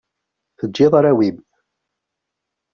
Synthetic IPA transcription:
θəd͡ʒːɪðˤaɾawib

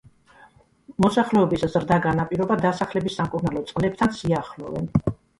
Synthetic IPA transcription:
mɔsaχlɛɔbiszɾd̪aɡanapʼiɾɔbad̪asaχlɛbisːamkʼuɾnalɔt̪sʼqʼlɛp̚t̪ʰansiaχlɔ̰vɛ̰n

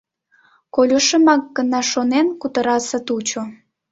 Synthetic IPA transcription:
kolʲoʃəmɑk̚ɡənɑʃonenkut̪əɾɑsət̪ut͡ɕo

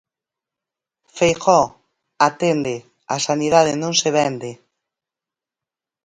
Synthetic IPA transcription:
fejxɔ | at̪end̪ɪ | asaniðað̞ɪnõŋseβ̞ɛnd̪ɪ

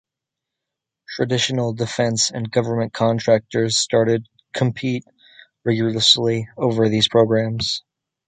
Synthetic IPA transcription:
tʰɹ̥ɨdɪʃn̩l̩ˠdɨfɛ̃nsɨ̃nɡʌvə˞mɨ̃nkʰɑ̃ntʰɹ̥æk̚tə˞z̥stɑɹɾɨd̚ | kʰə̃m̩pʰit̚ | ɹɛɡjə˞əslioʊvə˞ðiz̥pʰɹ̥oʊɡɹæ̃mz̥

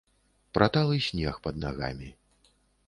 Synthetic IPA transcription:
pɾʔat̪alˠɨsʲnʲɛxpɐd̪̚naɣa̰mʲi

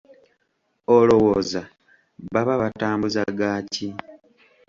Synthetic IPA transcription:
olo̞wo̞ːza | βaβaβataːmbuzaɡaːci

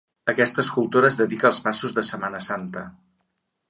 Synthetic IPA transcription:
əkɛst̪əːskulˠt̪oɾəːzðəðikəːlˠspasuzðəsəmanəsant̪ə

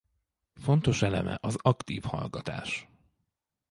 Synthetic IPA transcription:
fo̞nt̪o̞ʃɛlɛmʔɛ̰ʔɒzɒkt̪iːfhɒlɡɒt̪aːʃ

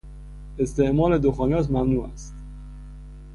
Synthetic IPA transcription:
est̪eʔmɒːled̪oxɔːnæs̬mæmnuːæ̰st̪

